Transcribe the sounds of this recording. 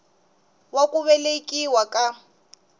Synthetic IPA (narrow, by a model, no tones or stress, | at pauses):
wakʼuβɛlekʼiwakʼa